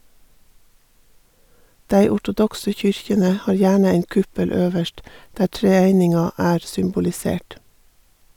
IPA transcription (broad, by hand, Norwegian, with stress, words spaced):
ˈdæɪ ɔʈʊˈdɔksə ˈçʏɾçənə ˈhɑːɾ ˈjæːɳə ˈæɪn ˈkʉpəl ˈøːʋəʃt ˈdæː ʈɾɛˈæɪnɪŋɑ ˈæːɾ sʏmbʊlɪˈseːʈ